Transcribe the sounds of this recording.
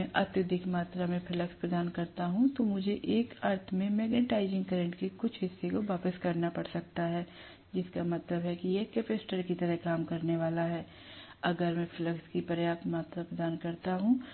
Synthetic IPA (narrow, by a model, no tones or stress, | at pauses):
ɛ̃ʔɐt̪jʊd̪ʱɪkmaːt̪ɾamẽfʰɪləkspɾɐd̪aːnkɐɾt̪aɦũt̪omʊd͡ʒʱeʔeːkəːɾt̪ʰmẽmeːɡneʈaːɪzɪ̃ŋɡkɐɾə̃ɳʈkekʊt͡ʃʰɦɪsːekoʋaːpəskɐɾnapɐɽsɐk̚t̪aɦɛː | d͡ʒɪskamɐt̪ləbɦɛkijekeːpesʈəɾkit̪ɐɾɛɦkaːmkɐɾneʋaːlaɦɛː | ɐɡəɾmɛ̃fɪləkskipɐɾjaːt̪maːt̪ɾapɾɐd̪aːnkɐɾt̪aɦũː